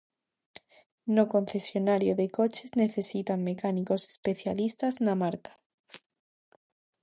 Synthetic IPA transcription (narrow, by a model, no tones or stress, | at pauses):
noko̞n̟θe̞sjo̞naɾjoðe̞ko̞t͡ʃe̞zne̞θe̞sit̪amːe̞kaniko̞se̥spe̞θja̰list̪aznamaɾkḁ